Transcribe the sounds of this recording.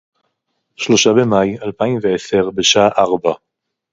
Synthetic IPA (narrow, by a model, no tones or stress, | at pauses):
ʃlo̞ʃabe̞majalpaimveese̞ʁbeʃaaʔaʁba